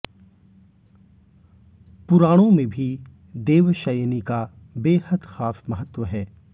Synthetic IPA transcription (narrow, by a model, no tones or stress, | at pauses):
pʊɾaːɽ̃õmẽbʱi | d̪eːʋʃəjnika | beːhəd̪xaːfmɐɦət̪ʋəɦɛː